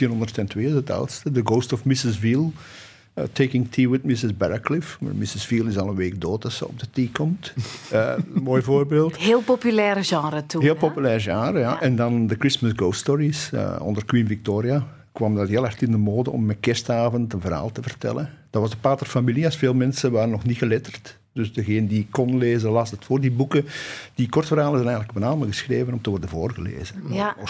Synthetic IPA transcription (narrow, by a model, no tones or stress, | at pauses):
tiːnɦɔndərtɛntweːɪsəta̰wtstədəɡoːstɔfmɪsɪsviːlˠ | tʰeːkɪŋtʰiːwɪtmɪsɪzbɛɹəklɪfma̰mɪsɪsviːlˠɪsɑlˠənʋeːk̚doːtɑtsə̰ɔ̰b̚dətiːkɔmtənmoːjvoːrbeːlˠtɦeːlˠpopylɛːɾəʒɑ̃ːɾətuɦeːlˠpopylɛːrəʒɑ̃ːɾəja̰ʔɛndɑndəkɹɪsməsɡowststɔɹisə̰ɔ̰ndərkwinvik̚toːɾia | kwɑmdatɦeːlˠartɪndəmoːdəʔɔ̰mːɛkɛstaːvəntənvərɦa̰ːlˠtəvərtɛ̰lənd̥ɑtʋɑzdəpaːtərfamiliɑsfeːlˠmɛnsəʋaːɾənɔxnitxəlɪtərt | d̥ɵsdəɣeːnədikkːɔnleːzənlɑsdətfoːrdibukəd̥ikɔrtfərɦaːlˠənzɛnɛjɣənlək̚bənaːməɣəsxreːvənɔmtəʋɔrdəvoːrɣəlḛːzən